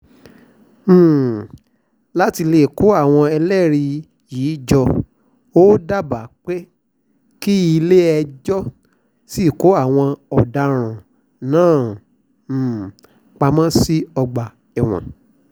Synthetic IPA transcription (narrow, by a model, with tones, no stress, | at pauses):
la˦ti˧le˦˨ko˨˦a˦˨w̃ɔ̃˧ɛ˧lɛ˦˨ɾi˧ | jiː˨˦d͡ʒɔ˧ | o˦da˦˨ba˨˦k͡pe˦ | ki˦i˧le˦ɛ˧d͡ʒɔ˦ | si˦˨ko˨˦a˦˨w̃ɔ̃˧ɔ˨da˧ɾ̃ã˨ | nãː˦˨ | k͡pa˧mã˦si˦ɔ˧ɡ͡ba˨ | ɛ˨w̃ɔ̰̃˨